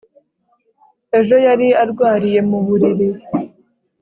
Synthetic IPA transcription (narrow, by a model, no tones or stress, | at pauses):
e̞ʒo̞jaɾiaɾɡwaːɾije̞muβuɾiɾi